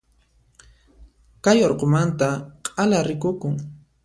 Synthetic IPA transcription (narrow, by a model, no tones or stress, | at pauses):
kajoɾqomant̪aqʼalaɾɪkʊkʊŋ